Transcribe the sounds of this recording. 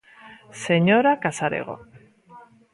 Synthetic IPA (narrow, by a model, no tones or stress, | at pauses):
seɲoɾakasaɾḛɣ̞o̰